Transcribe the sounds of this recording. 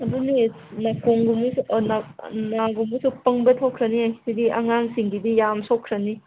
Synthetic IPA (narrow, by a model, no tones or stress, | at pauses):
ɐduni | nakoŋɡumusnnaɡumusupɐŋbɐtʰokʰɾɐniaisidia̰ŋaŋsiŋɡidijamsokʰːɾɐni